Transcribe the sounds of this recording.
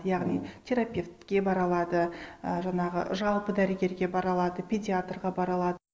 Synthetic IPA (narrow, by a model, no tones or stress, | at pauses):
jɑʁnijt̪ʲʰe̞ɾapʲe̞ft̪kʲe̞bɑɾɑlˠɑd̪əəʒɑɴɑʁə̰ʒɑlˠpəd̪æɾəɡʲe̞ɾɡʲe̞bɑɾɑlˠɑd̪əpʲʰedʲiat̪rʁɑbɑɾɑlˠɑd̪ə